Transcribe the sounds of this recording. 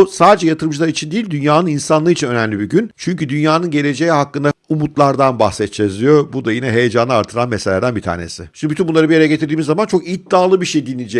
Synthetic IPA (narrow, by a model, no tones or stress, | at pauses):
saːd̪ed͡ʒɛjat̪ʰɯɾɯmd͡ʒɯlˠaɾit͡ʃʰind̪ijilʲd̪ynjaːnɯninsanlˠɯit͡ʃʰinø̞næmlʲibiɟynt͡ʃʰyɲcyd̪ynjaːnɯnɟe̞lʲe̞d͡ʒe̞jihakːɯnd̪aumut̪lˠaɾd̪anbahxsɛt̪̚d͡ʒezijobud̪ajinɛɦe̞jed͡ʒanɯaɾt̪ʰɯɾanmese̞lʲæɾd̪ænbit̪ʰa̰ːne̞̰sɪʃinbyt̪ynbunˠaɾɯbijeɾɛɟet̪ʰiɾd̪iːmizːamant͡ʃʰo̞kid̪ːaːlˠɯbiʃejd̪inːʲid͡ʒɛ